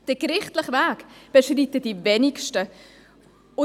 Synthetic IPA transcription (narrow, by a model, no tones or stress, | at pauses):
d̥əɡɾɪχtlɪχvæːkb̥əʃriːtəd̥ivɛnɪkʃtə | ʊ